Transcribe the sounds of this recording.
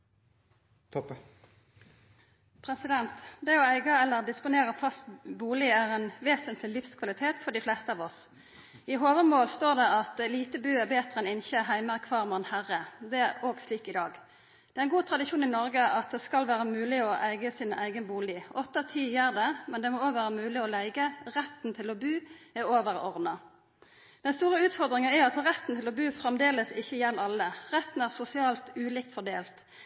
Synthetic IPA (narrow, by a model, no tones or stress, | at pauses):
pʰʁɛsɪd̪ɛnt̪d̪ɛɔæɪɡəɛlːəʁd̪ɪspʊneːʁəfɑst̪buːlɪæʁɛːnʋeːsənt̪ʰlɪlɪfskʰʋɑlɪt̪ʰeːt̪fɔɖ̪ɪflɛst̪əɑːʋɔs | ɪɦoːʋəʁmoːlst̪oːʁd̪ɛɑt̪liːt̪əbʉːæʁbeːt̪əʁəɛnɪnçəɦæɪməʁəkʰʋɑːʁmɑnhæʁəd̪ɛæʁoːɡsliːkɪd̪ɑːɡ | d̪ɛæʁɛnɡuːt̪ʰʁɑd̪ɪʃuːnɪnɔʁɡəʔɑt̪̚d̪ɛːskɑlʋæːʁəmʉːlɪɔʔæɪɡəsiːnəʔæ̰ɪɡənəbuːlɪʔɔt̪ːət̪ʰiːjeːʁd̪ɛmɛnd̪ɛmoːoːɡʋæːʁəmʉːlɪɔlæɪɡəʁɛt̪n̩t̪ʰɪlɔbʉːæʁoːʋəʁɔʁd̪nɑ | d̪̥ɛnst̪uːʁəʉːt̪fɔʁd̪ʁɪŋənæɑt̪ʁɛt̪ːn̩t̪ʰɪlɔbʉːfʁɛmd̪eːləsɪçːəɪjɛnːɑlːəʁɛt̪ːn̩æːʁsʊsɪɑːlt̪ʉːlɪːk̚t̪fɔʁd̪eːlt̪